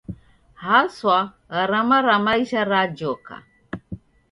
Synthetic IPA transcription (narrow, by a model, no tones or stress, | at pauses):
haswa | ɣaɾamaɾamaiʃaɾad͡ʒoka̰